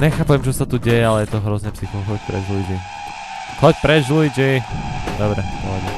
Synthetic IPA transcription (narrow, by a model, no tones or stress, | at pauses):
ɲɛxaːpɛmt͡ʃɔsat̪uɟɛjɛalɛjɛt̪ɔɦɾɔznɛpsixɔɦɔc̚pɾɛ̰ʒulid͡ʒi | xɔc̚pɾɛʒulid͡ʒid̪ɔbɾɛd̪ɔʋɛmɛ